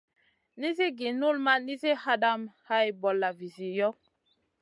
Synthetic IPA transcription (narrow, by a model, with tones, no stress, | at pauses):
ni˦zi˦ɡi˨nu˦lma˦ni˦zi˦ha˦da˦˨mha˦i˨bɔ˨lːa˨vi˨zi˨jɔ˦